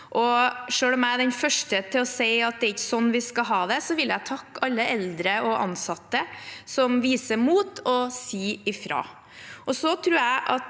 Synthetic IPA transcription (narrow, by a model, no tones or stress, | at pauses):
ʔɔʂøːlɔmæɪɖɛnfœʂʈət̪ʰɪlɔseɪɑt̪̚d̪ɛɾɪçːə̥sɔnːʋɪskɑɦɑːd̪ɛsɔʋɪljæt̪ʰɑkːɑlːəɛld̪ɾəɔʔɑ̰nsɑt̪ːəsɔmʋiːsəɾmuːt̪ɔsiːɪfɾɑ̰ː | ʔɔsɔt̪ʰɾʉːɾæɪʔɑt̪